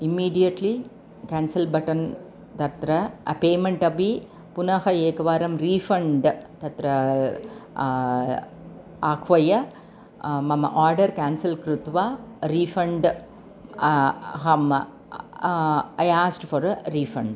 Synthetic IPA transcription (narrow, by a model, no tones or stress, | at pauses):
imːiːɖijɐʈli | kaːnsɐlbɐʈɐn | t̪ɐt̪ɾɐɐpeːmɐɳʈɐbi | punɐɦɐeːkɐʋaːɾɐmɾiːfʰɐɳɖt̪ɐt̪ɾɐ | aːkʰʋɐjɐ | mɐmɐ̰ʔaːɾɖɐɾkaːnsɐlkɾut̪ʋaːɾiːfɐɳɖ | ɦɐm | ɐjaːsʈfɐɾɾiːfʰɐɳɖ